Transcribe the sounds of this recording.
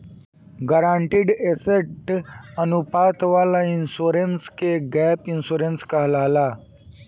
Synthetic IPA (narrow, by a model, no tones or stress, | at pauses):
ɡəɾãːɳʈɪɖeseʈənupaːt̪ʋaːlaɪnsuːɾenskeɡɛːpɪnsuːɾenskaɦlaːlaː